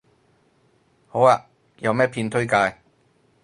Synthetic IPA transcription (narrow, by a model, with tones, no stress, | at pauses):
ho˨˥waː˧˨ | jɐ˨˧wmɛː˥pʰiː˧nt̪ʰɵ˥ɥkaː˧j